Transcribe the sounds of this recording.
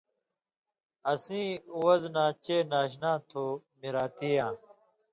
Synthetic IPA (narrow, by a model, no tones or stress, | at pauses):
ɐsĩːuwɐznãːt͡ɕeːnaːɕ̬nãːt̪ʰoː | miɾaːt̪iːjãː